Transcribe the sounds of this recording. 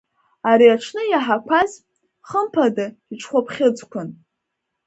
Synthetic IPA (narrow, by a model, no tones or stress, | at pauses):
aɾiaʈ͡ʂʰnɨjaħakʷʰaz | χəmpʰada | iʈ͡ʂʼʰχʷapʰχʲɪd͡zkʷʰʊn